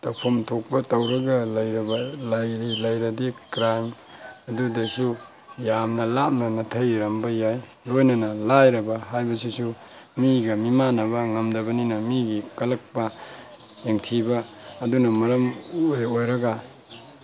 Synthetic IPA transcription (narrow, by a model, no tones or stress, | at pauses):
tɐpʰomtʰok̚pɐtɐwɾɐɡɐlɐjɾɐbalajɾilɐjɾɐdikɾajm | ɐdudesu | jamnɐlap̚nɐnɐtʰɐjɾɐmbɐjaj | lojnɐnɐlajɾɐbɐɦajbɐs̬isu | miɡɐmimanɐbɐŋɐmdɐbɐninɐmiɡikɐlɐk̚pɐ | jeŋtʰibaːdunɐmɐɾɐmojojɾɐɡa